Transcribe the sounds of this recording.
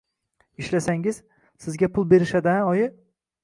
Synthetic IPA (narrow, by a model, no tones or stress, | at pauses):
iʃlasaŋɪz | sɪzɡʲapʰʊlˠbe̞ɾɪʃad̪anɒjɪ